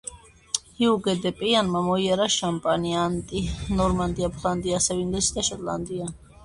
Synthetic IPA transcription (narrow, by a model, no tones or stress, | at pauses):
hiuɡɛd̪ɛpʼɛjanmamɔiaɾaʃampʼaniant̪ʼinɔɾmand̪iapʰland̪iasɛvind̪ɛsid̪aʃɔt̪ʼla̰nd̪ia